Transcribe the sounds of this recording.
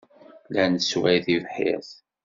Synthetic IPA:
lænswæjθivħɪ̰θ

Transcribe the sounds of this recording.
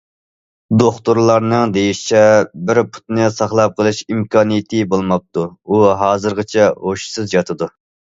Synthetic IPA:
d̪oχt̪uɾlˠɑɾnɨŋd̪ejiʃt͡ʃʰɛbɪɾpʰu̥t̪nɨsɑχlˠɑp̚qʰəlˠɨʃimkʰɑːnijɪt̪ʰɨbolˠmɑp̚t̪uuɦɑːzɨɾʁət͡ʃʰɛɦoʃsɨzd͡ʒɑt̪ʰɨd̪u

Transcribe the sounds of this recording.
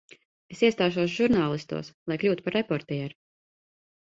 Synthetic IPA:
esiɛst̪aːʃuɔsʒuɾnaːlˠist̪ṵːslˠajklʲuːt̪upaɾːepɔɾt̪ɛɛɾ

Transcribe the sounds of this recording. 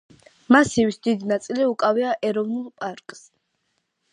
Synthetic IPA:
masivisd̪id̪inat̪sʼiliukʼaviaʔɛɾɔvnulˠpʼaɾkʼs

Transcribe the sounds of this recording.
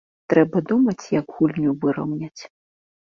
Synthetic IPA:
t̪ɾɛbɐd̪umɐt͡sʲjɐɡɣulʲnʲuvɨɾɐ̰wnʲɐt͡sʲ

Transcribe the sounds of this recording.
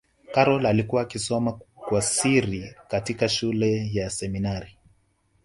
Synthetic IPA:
kaɾɔlalikuwaːkisɔmakwasiɾikatikaʃulɛjasɛminaɾi

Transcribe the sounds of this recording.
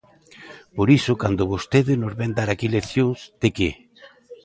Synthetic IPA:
poɾisʊkand̪ʊβost̪eðɪnozβend̪aɾakileθjoŋzd̪eke

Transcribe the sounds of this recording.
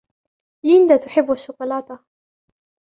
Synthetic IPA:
ɪnd̪at̪ʊħɪbːaʃːʊqʊlɑːt̪a

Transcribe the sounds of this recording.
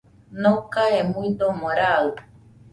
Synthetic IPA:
nokaemuid̪omoɾal

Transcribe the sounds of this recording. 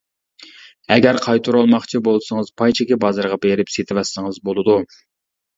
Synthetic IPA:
ɛɡʲɛɾqʰɑjt̪ʰuɾɑlˠmɑχt͡ʃʰibolˠsəŋəz̥pʰɑjt͡ʃʰɛkʲibɑzɑɾʁɑbeɾɪpset̪ʰɪwɛsːɨŋɨzbolˠɨd̪u

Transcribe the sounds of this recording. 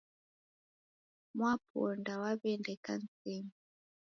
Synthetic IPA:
mwapɔndawaβɛndɛka̰n̩t͡sɛmi

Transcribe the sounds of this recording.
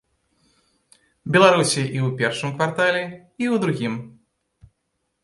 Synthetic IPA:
bʲɛlˠaɾusʲiʔiwpʲɛrʂɨmkvart̪alʲɛ | iwd̪ɾuɣʲim

